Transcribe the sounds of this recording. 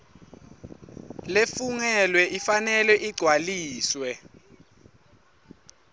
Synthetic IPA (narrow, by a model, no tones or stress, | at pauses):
lefuŋɛlwɛʔifanɛlwɛʔiɡ͡ǀʱwaliːswɛ